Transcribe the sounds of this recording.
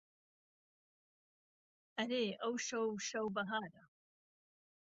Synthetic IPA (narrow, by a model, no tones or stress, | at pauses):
ʔɐɾeːʔɐwʃɐwʃɐwbɐɦaːɾɐ